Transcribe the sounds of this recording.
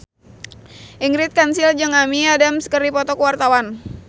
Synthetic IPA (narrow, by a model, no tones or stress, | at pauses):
ʔiŋɡɾɪt̪̚kansɪld͡ʒəŋamiadamsə̥kəɾipɔt̪ɔkəwart̪awan